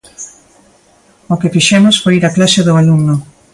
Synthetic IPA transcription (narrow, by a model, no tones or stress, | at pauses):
ʊkɪfiʃɛmʊsfojɾaklaseðʊaluŋnʊ